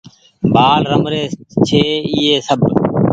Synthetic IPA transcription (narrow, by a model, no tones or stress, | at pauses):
baːlɾəmɾeːt͡ʃʰeːiːeːsəb